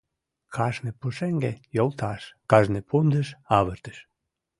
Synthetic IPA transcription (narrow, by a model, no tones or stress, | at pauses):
kʰɑʒnepuʃeŋɡḛjolˠt̪ʰɑʃkɑʒnepʰund̪əʃɑβəɾt̪ə̥ʃ